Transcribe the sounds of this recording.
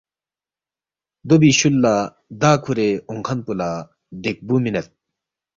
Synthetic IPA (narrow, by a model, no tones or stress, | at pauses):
d̪obiɕulːa | d̪aːkʰuɾeuŋkʰɐnpula | d̪ek̚buminet̪̚